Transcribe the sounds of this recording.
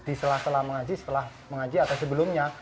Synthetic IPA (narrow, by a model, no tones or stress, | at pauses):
d̪isəlahst̪əlahməŋad͡ʒisə̥t̪əlah | məŋad͡ʒiat̪awsəbəlʊmɲa